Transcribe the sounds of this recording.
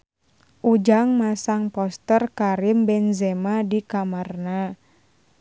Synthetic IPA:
ʔud͡ʒaŋmasaŋpɔst̪ərkaɾimbɛnzɛmadikamarna

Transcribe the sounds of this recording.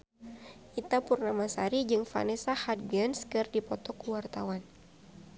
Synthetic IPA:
ʔit̪apurnamasaɾid͡ʒɨŋfa̰nesahat̪̚ɡɛnskɨrdipɔt̪ɔkuwart̪awan

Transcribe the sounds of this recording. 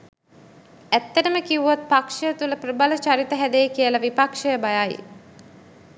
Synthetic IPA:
æt̪ːəʈəməkiuʋot̪̚pakʂəjət̪uləprəbalət͡ʃaɾit̪əɦæd̪ejkijəlɐʋipakʂəjəbajajḭ

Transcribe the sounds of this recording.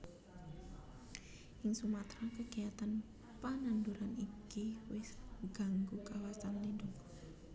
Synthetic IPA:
ʔɪŋsumat̪ɾakəɡ̥iat̪an | pananduɾanikiwɪsɡa̤ŋɡukawasanlindʊk̚

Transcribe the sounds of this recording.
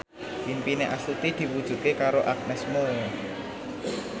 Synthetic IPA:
pimpineʔasut̪id̪̥i̤wud̥ʒ̥ṳʔ̪kekaɾoʔak̚nɛsmolɔ

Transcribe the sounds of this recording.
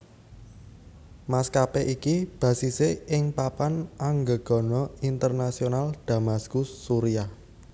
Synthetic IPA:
maskapeʔikib̥ä̤siseɪŋpapanʔaŋɡəɡ̥ɔ̤nɔint̪ərnasionald̪̥a̤maskʊsːuɾiah

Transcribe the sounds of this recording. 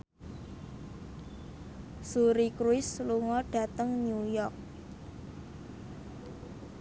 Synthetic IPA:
suɾikɾuɪsluŋɔɖ̥ä̤t̪əŋnjujɔk̚

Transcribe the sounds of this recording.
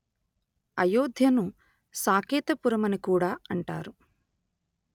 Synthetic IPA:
ɐjoːd̪ʱjɐnu | saːkiːt̪ɐpuɾɐmɐnikuːɽaːɐɳʈa̰ːɾu

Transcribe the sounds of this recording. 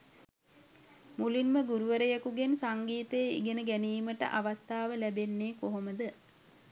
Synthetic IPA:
mulinməɡuɾuʋəɾəjakuɡensaŋɡiːt̪eːḭɡenəɡæniːməʈə̰ʔaʋast̪aːʋəlæbenːeːkoɦoməd̪ə

